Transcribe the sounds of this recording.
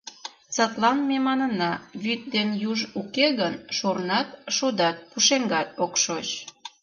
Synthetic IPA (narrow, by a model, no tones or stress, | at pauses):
t͡sət̪lɑnmemɑnənɑβyt̪̚d̪enjuʒukeɣənʃurnɑt̪ʃud̪ɑt̪̚puʃeŋɡɑt̪̚okʃot͡ɕ